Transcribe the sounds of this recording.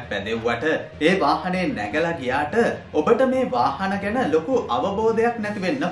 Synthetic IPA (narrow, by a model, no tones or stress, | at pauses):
k̚ʋɛ̰d̪ewʋaʈəeːʋaːhɐnejenːɛ̰ɡəlaɡijaːʈəobəʈəmeːʋaːhanəɡænəlokuʔaʋəboːd̪ɐjaknɛt̪iʋenːə